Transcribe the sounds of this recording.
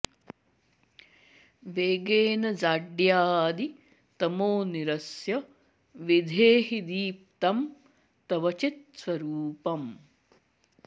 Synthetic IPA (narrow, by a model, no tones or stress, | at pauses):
ʋeːɡeːnɐd͡ʒaːɖjaːd̪i | t̪ɐmoːniɾɐsjɐ | ʋid̪ʱeːɦid̪iːp̚t̪ɐm | t̪ɐʋɐt͡ʃit̪sʋɐɾuːpɐm